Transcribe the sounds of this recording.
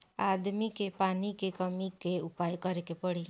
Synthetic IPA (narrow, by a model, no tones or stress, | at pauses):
ad̪mikepanikekɔmikeupajkɔɾekepɔɽi